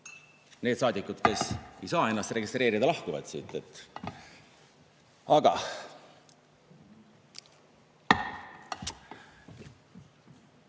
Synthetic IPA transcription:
ne̞ːd̪sɑːd̪ikːˑud̪̥ke̞se̞jsɑːe̞nːɑst̪re̞ɡist̪ɾe̞ːɾid̪ɑlɑhkuvɑ̰t̪sit̪ːˑet̪ːˑ | ɑɡ̥ɑ

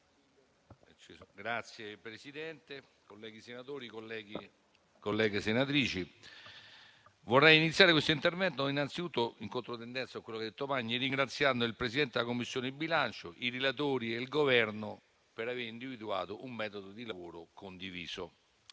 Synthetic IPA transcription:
t͡ʃiɡɾat̪sjepɾesid̪ɛnt̪e | kolːɛːɡisenat̪oːɾikolːɛːɡi | kolːɛːɡesenat̪̬ɾiːt͡ʃi | vorːɛjinit̪sjaɾekwest̪oint̪ervɛnt̪oinːant̪sit̪ut̪ːoiŋkont̪ɾot̪end̪ɛnt̪sakwelːokɛad̪et̪ːovaɲːiriŋɡɾat̪sːjand̪oilpɾesid̪ɛnt̪ed̪elakomːisːjoːneibːilant͡ʃo̰ʔiɾelat̪̬oːɾielɡovɛrno | peɾaveːɾind̪ivid̪ua̰ːt̪oʔumːɛːt̪od̪od̪ilavoːɾokond̪iviːso

